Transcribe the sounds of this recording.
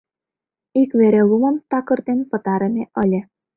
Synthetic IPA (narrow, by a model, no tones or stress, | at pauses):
ikβeɾelumɤ̆mt̪ɑkɤ̆rd̪enpɤ̆t̪ɑɾɤ̆mʲeʔɤ̆lʲĕ